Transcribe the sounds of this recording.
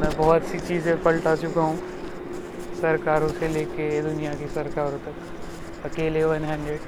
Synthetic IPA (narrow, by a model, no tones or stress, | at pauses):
mɛ̃ːbɔːt̪sit͡ʃiːzẽpɐlʈat͡ʃʊkaɦũ | sɐɾkaːɾõseleːked̪ʊnijakisɐɾkaːɾõt̪ɐk | ɐkeːleʋɐnɦɛ̃ːɳɖɾeɖ